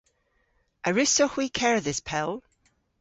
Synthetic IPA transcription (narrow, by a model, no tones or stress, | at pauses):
ʔəɹɪsohwikʰɛɹðɪspʰɛlˠ